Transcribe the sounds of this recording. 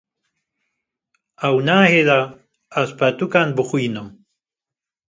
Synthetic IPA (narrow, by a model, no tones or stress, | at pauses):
awnaːhed̪aː | spat̪ukanbuχujnum